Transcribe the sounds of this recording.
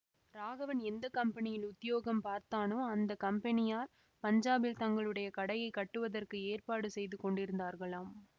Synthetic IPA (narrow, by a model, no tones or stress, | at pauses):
ɾaːɣɐʋɐnɛnd̪ɐkɐmpɐnɪjɪlʊt̪ːɪjoːɣɐmpaːɾt̪aːnɯɐnd̪ɐkɐmpɛnɪjaːɾ | pɐɲd͡ʒaːbɪlt̪ɐŋɡɐɭɯɽɐjɐkɐɽɐjɐɪkːɐʈːɯʋɐðɐrkɯeːrpaːɽɯsɛjðɯkɔɳɖɪɾɯnd̪aːɾɣɐɭaːm